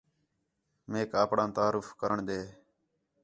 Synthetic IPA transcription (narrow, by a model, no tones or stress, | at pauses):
meːkaːpɽãːt̪aːɾʊfkəɾəɳɗ̪eː